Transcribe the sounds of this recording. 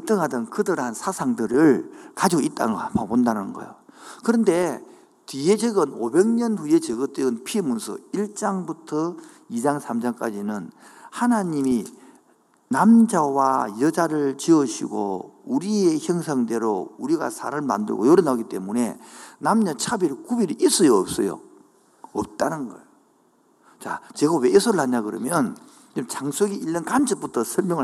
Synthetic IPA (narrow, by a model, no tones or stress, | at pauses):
ɯt͈ɯŋɦadɯnkɯdɯɾansʰasʰaŋdɯɾɯɭkad͡ʑioit͈a̰nɡamabondanɯnɡʌ̰jokɯɾʌnde̞ | tied͡ʑɯɡɯnobe̞ŋɲʌnɸuje̞t͡ɕɯɡɯt͈eɯnpʰiemunsʰɯ̰iɭt͡ɕ͈aŋbutʰʌ | id͡ʑaŋsʰamd͡ʑaŋk͈ad͡ʑinɯnhanaɲimi | namd͡ʑawajʌd͡ʑaɾɯɭt͡ɕiʌɕʰḭɡo̰uɾie̞çjʌŋs̬ʰaŋde̞ɾouɾiɡa̰sʰa̰ɾɯɭma̰ndɯ̰ɭɡo̰joɾɯnaɡit͈e̞mune̞namɲat͡ɕʰabiɾɯkubiɾɯʔis͈ʰɯjoːp̚s͈ʌjo̰ | ʌp̚t͈anɯnɡʌ̰ɭ | t͡ɕa̰t͡ɕeɡaweːsʰoɾɯɭɦaɲakɯɾʌ̰mjʌn | imt͡ɕʰaŋsʰoɡiiɭːʌnkant͡ɕʰɯp͈utʰʌsʰʌɭmjʌŋɯɭ